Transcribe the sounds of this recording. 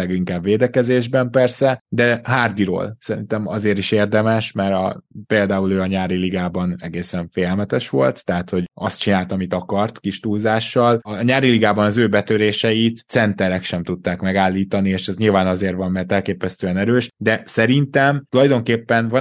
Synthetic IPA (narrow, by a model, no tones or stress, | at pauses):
ɛɡiŋkaːbveːd̪ɛkɛzeːʒbɛmpɛrsɛd̪ɛɦaːrd̪iɾo̰ːlsɛɾḭnt̪ɛmɒ̰zeːɾiʃeːrd̪ɛmɛʃmɛɾɒ̰peːld̪aːuløːɒɲaːɾiliɡaːbɒnɛɡeːsɛɱfejɛlmɛt̪ɛʃʋo̞lt̪ːɛɦat̪ho̞ɟɒst̪̚t͡ʃinaːlt̪ɒmit̪ɒkɒrt̪kiʃt̪uːlzaːʃːɒlɒɲaːɾiliɡaːbɒnɒzøːbɛt̪øɾeːʃɛjit̪sɛnt̪ɛɾɛkʃɛmt̪ut̪ːaːkmɛɡaːlːiːt̪ɒnieːʃɛzɲilvaːnɒzeːɾʋɒmːɛrt̪ɛlkeːpɛst̪øːɛnɛɾøːʃd̪ɛsɛɾint̪ɛmt̪ulɒjd̪o̞ŋkeːpːɛnvɒ